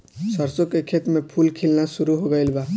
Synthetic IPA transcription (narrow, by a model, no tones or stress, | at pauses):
səɾsokekʰet̪mepʰulkʰilnasuɾuɦoɡəjlba